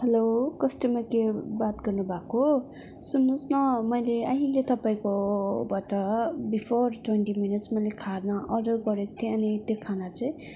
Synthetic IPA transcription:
helokʌsʈimakebat̪̚ɡʌrnubʱako | sunːũsnʌmʌjleaɦĩlet̪ʌpaĩkobatʌbipʰorʈwenʈiminitsmʌjlekʰaɾnʌʔʌdʌɡʌɾekt̪ʰeʌnit̪jokʰanat͡sʌĩ

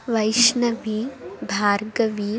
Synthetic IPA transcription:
ʋɐjʃnɐʋibʱaːɾɡɐʋiː

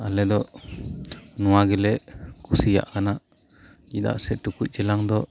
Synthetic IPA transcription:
alɛd̪ɔʔ | nɔwaɡɛlɛʔkusija̰ʔkana | d͡ʒid̪a̰ʔsɛʈukuc̚d͡ʒɛlaŋd̪ɔ

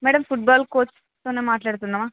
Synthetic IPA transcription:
mɛːɽɐmpʰuʈ̚baːlkoːt͡ʃ | t̪oːneːmaːʈlaːɽut̪unːaːmaː

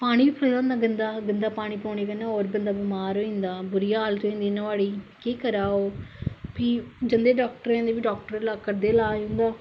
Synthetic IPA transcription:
paːɽ̃ĩːbiːpʰɾəd̪aːnd̪aːɡənd̪aːɡənd̪aːpaːɽ̃iːpoːɳeɡənːaːoːɾbənd̪aːbɪmaːɾoːĩnd̪aːbʊɾijaaːlt̪õĩnd̪iːnːəʋaːɭiːkiːkəɾaːoːpid͡ʒənd̪eːɖaːk̚ʈəɾẽːnd̪eːbiɖaːk̚ʈəɾelaːkəɾd̪eːlaːjũnd̪aː

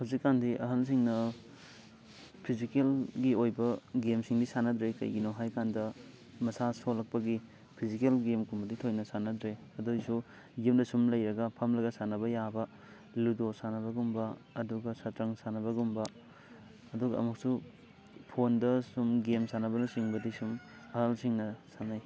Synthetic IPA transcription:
hazikːandiʔɐɦɐns̬iŋnɐ | pʰizikelɡiojbɐɡemsiŋdisanɐdɾekɐ̰jɡinoɦajkandɐ | mɐsasolɐk̚pɐɡi | pʰizikelɡemkumbɐditʰojnɐsanɐdɾeɐdojsu | ɡemdɐsumlɐjɾɐɡɐpʰɐmlɐɡɐsanɐbɐjabɐ | ludosanɐbɐɡumbɐɐduɡɐsɐtɾɐŋsanɐbɐɡumbɐ | ɐduɡɐɐ̰muk̚su | pʰondɐsumɡemsanɐbɐnɐsiŋbɐdisum | ɐɾalsiŋnɐsanaj

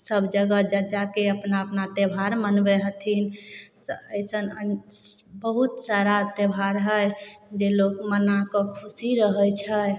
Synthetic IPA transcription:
səbʱd͡ʒəɡəd͡ʒəd͡ʒakeəpnaəpnat̪ebʱaɾmənbeɦət̪ʰinsəjsənə | bəɦut̪saɾat̪ebʱaɾɦəjd͡ʒelokmənakɔkʰusiɾəɦəjt͡ʃʰəj

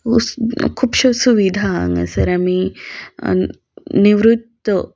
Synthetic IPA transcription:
kʰuːpɕɐsuʋid̪ʱaːŋɐ̰sɐɾami | niʋɾut̪ːə

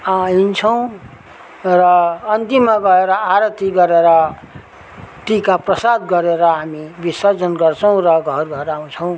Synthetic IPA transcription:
aint͡sʰʌw̃ | rʌːnt̪imːaɡʌeɾʌaɾʌt̪iɡʌɾeɾʌ | ʈikaprʌsad̪ɡʌɾeɾʌɦamibisad͡zʌnɡʌrt͡sʰʌw̃rʌɡʱʌrɡʱʌɾaw̃t͡sʰʌw̃

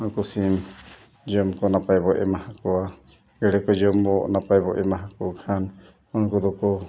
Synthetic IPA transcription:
ɔnkɔsim | d͡ʒɔmkɔnapajbɔʔɛ̰mahakɔwa | ɡɛɽɛkɔd͡ʒɔmbɔnapajbɔʔɛmaɦakɔakʰan | ɔnɔkɔd̪ɔkɔ

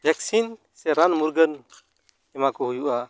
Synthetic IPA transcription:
bʱɛksin | sɛɾanmuɾɡən | ɛmakɔɦujuʔa

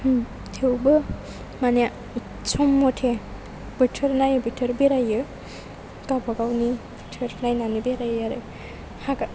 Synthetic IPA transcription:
tʰewbɯ | maneja | sɔmːɔtʰe | b̥ɯtʰɯɾnajɯbitʰɯɾbeɾajɯ | ɡ̥abaɡawnibitʰɯɾnajnanibeɾajaɾɯ | haɡa

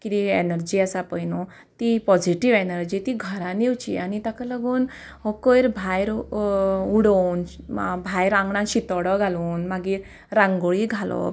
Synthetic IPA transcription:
kit̪ienəɾd͡ʑiːasapəjnɔ | t̪ipɔd͡ʑiʈiʋenəɾd͡ʑit̪iɡʱəɾãniwt͡ɕḭanit̪akaləɡuːn | ɦɔkəjɾbʱajɾ | uɽɔn | bʱajɾãŋɡɳãɕit̪ɔɽɔɡʱaluːnmaɡiːɾ | ɾãŋɡoɭiɡʱalɔ̰

